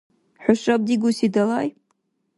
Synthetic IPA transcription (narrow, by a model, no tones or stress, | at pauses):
ħʊʃab̚d̪iɡusid̪alaj